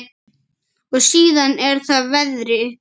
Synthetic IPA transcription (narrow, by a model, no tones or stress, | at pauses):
ɔɣsiːðanɛɾ̥θaðvɛðɾɪ